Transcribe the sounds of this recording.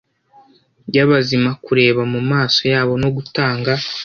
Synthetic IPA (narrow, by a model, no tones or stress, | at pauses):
ɟaβazimakuɾe̞ːβamumaːso̞jaːβo̞no̞ɡutaːŋɡa